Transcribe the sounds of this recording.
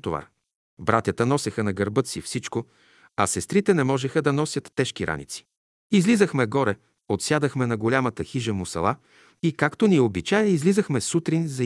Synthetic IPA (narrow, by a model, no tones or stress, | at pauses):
t̪ova̰ | bɾat̪ʲət̪ənɔsɛxənɐɡɐɾbɤt̪sifsit͡ʃko | ɐsɛst̪ɾit̪ɛnɛmɔʒɛxəd̪ɐnɔsʲjət̪ːɛʃkiɾʔa̰nḭt̪si̥ | izlizəxmɛɡɔɾɛ | ot̪sʲjad̪əxmɛnɐɡolʲamət̪əxiʒəmʊsɐ̰lˠa | ikakt̪oniobit͡ʃajəizlizəxmɛsut̪ɾinzɐ